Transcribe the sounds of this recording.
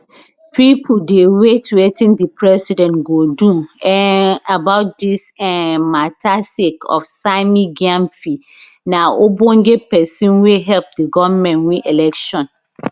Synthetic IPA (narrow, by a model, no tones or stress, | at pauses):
pipʰudewetʰuwetĩndipʰɹɛsidɛ̃nɡoduɛnabaʊt̚disɛmatʰasekɔ̰fsaɪmiɡãmfi | naobõŋɡepɛsĩnweɦɛlp̚diɡɔvmɛ̃nwiʔelɛkʃɔ̃n